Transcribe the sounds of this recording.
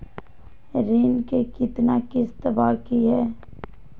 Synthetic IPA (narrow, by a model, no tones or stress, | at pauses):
ɾeːnkekɪt̪nakɪst̪ɐbaːkiɦɛː